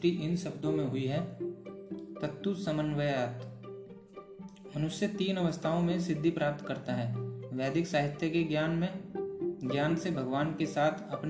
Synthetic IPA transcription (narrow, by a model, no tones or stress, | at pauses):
ʈiʔɪnʃɐbd̪ʱõmẽɦʊiɦɛː | t̪ət̪ːusɐmənʋəjaːt̪ | mənʊsjət̪iːnəʋəst̪ʰaːõmẽsɪd̪ʱːipɾaːp̚t̪kɐɾt̪aɦɛːʋɛːd̪ɪksaːɦɪt̪jəkeɡjaːnmẽ | ɡjaːnsebʱəɡʋaːnkesaːt̪ʰɐpn